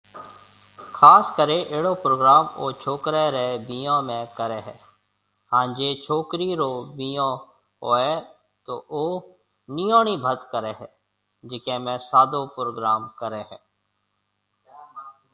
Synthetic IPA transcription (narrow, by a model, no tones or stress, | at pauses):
kʰaːskəɾẽʔeːɽoːpɾoːɡɾaːmoːt͡ʃʰoːkɾeɾɛbijõːmẽkəɾeɦɛː | ɦãːd͡ʒeːt͡ʃʰoːkɾiɾoːbijõː | ɦoːɛ | t̪oːʔoː | nijoːnibʱət̪kəɾeːɦɛː | d͡ʒɪkẽːmɛ̃ːsaːd̪oːpɾoːɡɾaːmkəɾeːɦɛ̰̃ː